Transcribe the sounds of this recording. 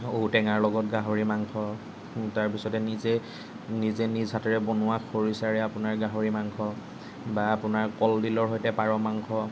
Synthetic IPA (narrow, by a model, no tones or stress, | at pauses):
oɦutɛŋaɹlɔɡɔt̚ɡaɦoɹimaŋkʰɔ | taɹpisɔtɛnize | nizenizʱatɔɹɛbonʊwaxʰoɹisaɹɛapʊnaɹɡaɦoɹimaŋkʰɔ | baːpʊnaɹkɔldilɔɹɦojtɛpaɹɔmaŋkʰɔ